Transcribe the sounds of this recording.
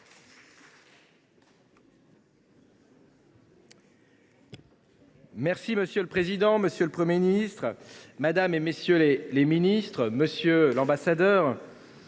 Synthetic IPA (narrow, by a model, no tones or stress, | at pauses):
mɛʁsiməsjøləpχezid̪ɑ̃məsjøləpχəmjeminist̪χmad̪amemesjøleleminist̪χməsjølɑ̃basad̪œːʁ